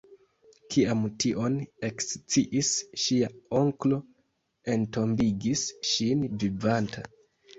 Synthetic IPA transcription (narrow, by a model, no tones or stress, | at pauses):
kʰiamtiʔo̞ne̞kst͡siʔisʃiao̞ŋklo̞ | e̞nto̞mbiɡisʃinvivantʰa